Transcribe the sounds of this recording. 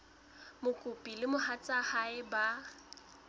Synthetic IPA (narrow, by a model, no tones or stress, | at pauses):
mʊkʼʊpʼilɪmʊhat͡sʼahaɪba